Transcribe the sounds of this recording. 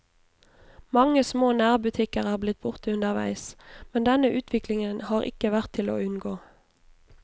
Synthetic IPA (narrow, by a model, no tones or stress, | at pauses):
mɑŋəsmoːnæːʁbʉt̪ʰɪkəʁæːʁblɪt̪̚bʊʁt̪əʉnəʁʋæ̰ɪsmɛnd̪ɛnəʔʉːt̪ʰʋɪklɪŋənhɑːʁɪ̰kəʋæʁt̪ʰɪlo̰ːʉnɡoː